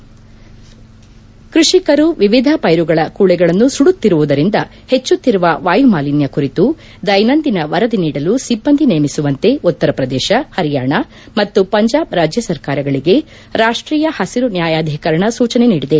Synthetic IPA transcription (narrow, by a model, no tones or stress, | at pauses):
kɾuʂikɐɾuʋiʋid̪ʱɐpɐjɾuɡɐɭɐkuːɭɛɡɐɭɐnːusuɽut̪ːiɾuʋud̪ɐɾind̪ɐ | het͡ʃːut̪ːiɾuʋɐʋaːjumaːlinjɐkuɾit̪u | d̪ɐjnɐnd̪inɐʋɐɾɐd̪iniːɽɐlusibːɐnd̪ʱineːmisuʋɐnt̪e̞ut̪ːɐɾɐpɾɐd̪ɛːʃɐhɐɾijaːɳɐ | mɐt̪ːupɐɲd͡ʒaːbɾaːd͡ʒjɐsɐɾkaːɾɐɡɐɭiɡe̞ | ɾaːʂʈɾiːjɐhɐsiɾunjaːjaːd̪ʱikɐɾɐɳɐsuːt͡ʃɐne̞niːɽid̪e̞